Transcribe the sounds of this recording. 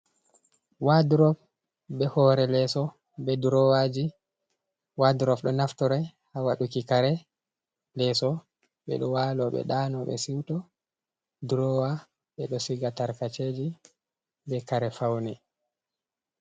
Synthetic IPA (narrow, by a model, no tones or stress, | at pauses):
waduɾɔf | bɛhɔɾɛlɛsɔ | bɛduɾɔwad͡ʒi | waduɾɔfɗɔnaftɔɾɛ | hawaɗukikaɾɛ | lɛsɔ | ɓɛ̰ɗɔwalɔɓɛ̰ɗanɔɓɛ̰siwtɔ | duɾɔwa | ɓɛɗɔsiɡataɾkat͡ʃed͡ʒi | bɛkaɾɛfawnɛ